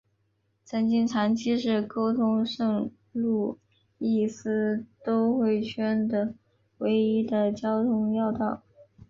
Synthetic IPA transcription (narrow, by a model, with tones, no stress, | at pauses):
t͡sʰə˧˥nt͡ɕi˥˩nt͡sʰa˧˥nt͡ɕʰi˥ʂɻ̩˥˩ko˥ʊt̪ʰʊ˥ŋʂɤ˥˧ŋ | lu˥˩˧ | i˥˩sɹ̩˥t̪o˥ʊxwe˥˩ɪt͡ɕʰɥɛ˥nd̪ə˨ | we˧˥ɪi˥d̪ə˨t͡ɕjɑ˥ʊt̪ʰʊ˥ŋjɑ˥˧ʊt̪ɑ˥˩ʊ